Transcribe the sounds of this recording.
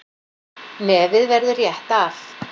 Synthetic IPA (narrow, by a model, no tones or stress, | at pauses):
mɛːvɪðvɛɾðʏrjɛht̪af